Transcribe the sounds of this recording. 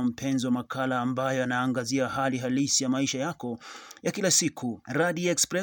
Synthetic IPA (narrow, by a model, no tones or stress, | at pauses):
am̩pʰɛnzɔwamakʰalaːmbajɔanaːŋɡaziaɦaliɦalisijamaiʃajakɔjakilasikʰuɾaðiɛkspɾɛ